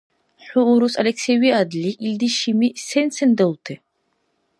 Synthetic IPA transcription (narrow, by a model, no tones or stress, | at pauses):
ħuːɾusɐlɛksɛwiad̪liʔild̪iʃimisɛnsɛnd̪ɛlˠt̪ʰɛ